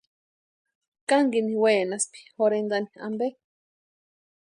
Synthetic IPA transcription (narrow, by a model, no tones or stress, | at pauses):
kaŋɡiniweːnaspi̥xoɾenɡ̪ania̰mbe